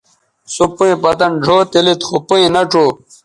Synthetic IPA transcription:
supuĩpɐt̪ɐnɖʱoːt̪ilit̪xupuĩnɐʈ͡ʂoː

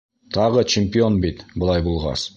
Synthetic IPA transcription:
t̪ʰɑʁət͡ʃʰɪmʲpʲɪo̞nbejt̪bʊlˠɑjbulˠʁɑ̰s

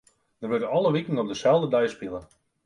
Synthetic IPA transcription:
d̥ərʋʏrdənɑlˠəʋikn̩ɔp̚dəsɛlˠdədɛjspilˠə

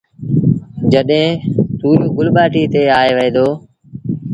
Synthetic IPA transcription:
d͡ʒəɗɦẽːt̪uːɾoːɡʊlɓaːʈiːt̪eːaːeːʋəẽːd̪oː

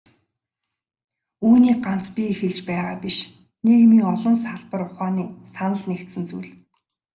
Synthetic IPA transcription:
uːniːɢan̥t͡spʲiexɘ̆ɮt͡ɕpæːʁaːpiʃ | nekmiːŋɔɮɞ̆nsaɮpə̆rʊχaːniːsanə̆ɮnekt̪sɘ̆nt͡sujɮ

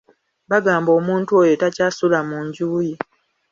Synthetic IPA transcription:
βaɡaːmbo̞ːmuːntuo̞jo̞tacaːsulamuːɲɟuːji

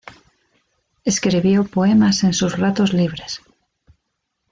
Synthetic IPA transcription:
e̞skɾiβjopoe̞mase̞nsuzrat̪ozliβ̞ɾe̞s

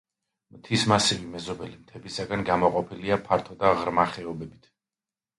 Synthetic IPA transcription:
mt̪ʰismasivimɛzɔbɛlimt̪ʰɛbisaɡanɡamɔqʼɔpʰiliapʰaɾt̪ʰɔd̪aʁɾmaχɛɔbɛbit̪ʰ

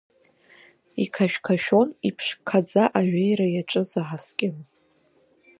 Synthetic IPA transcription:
ikʰaʃᶣkʰaʃᶣo̞nipʰʂkʰad͡zaʔaɥᶣajɾajaʈ͡ʂʼɨzaʁaskʲʼɪn

